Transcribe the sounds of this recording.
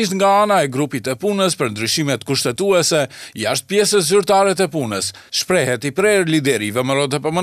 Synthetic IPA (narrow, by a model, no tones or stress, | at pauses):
iʃt̪ŋɡaanaɛɡɾupit̪ɛpunəspəɾnd̪ɾyʃimɛt̪kuʃt̪ɛt̪uɛsɛjaʃt̪̚pjɛsət̪zyɾt̪aɾɛt̪ɛpunəs | ʃpɾɛɦɛt̪ipɾɛɾlid̪ɛɾivɛməɾɔd̪ɛpəmə